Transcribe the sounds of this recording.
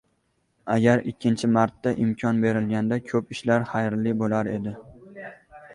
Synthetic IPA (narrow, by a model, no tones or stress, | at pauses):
aɡʲaɾɪkʲʰːɪnt͡ʃʰɪmaɾt̪ːaʔɪmkʲʰɒnbe̞ɾɪlɡʲand̪akʲʰɵpɪʃlaɾχajɾlɪbolˠaɾed̪ɪ